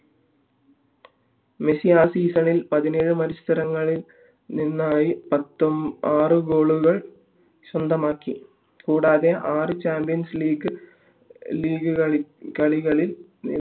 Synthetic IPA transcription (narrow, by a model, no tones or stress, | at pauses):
mesijaːsiːsɐnilpɐðineːɻɨmɐɾist̪ɐɾɐŋːɐɭil | ninːaːjipɐt̪ːoaːrɨɡo̞ːɭuɣɐɭ | ɕɐnd̪ʱɐmaːkːi | kuːɽaːðeʔaːrɨt͡ɕaːmbijɐnsliːɡɨ | liːɡɨkɐɭiɣɐɭilnḭ